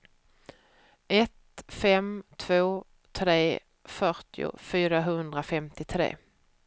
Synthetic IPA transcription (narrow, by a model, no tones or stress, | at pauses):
ʔɛt̪fɛmt̪ʰv̥oː | t̪ʰɾeː | fœɾʈɪʊ̰fyːɾaɦɵnd̪ɾafɛmt̪ɪt̪ʰɾḛː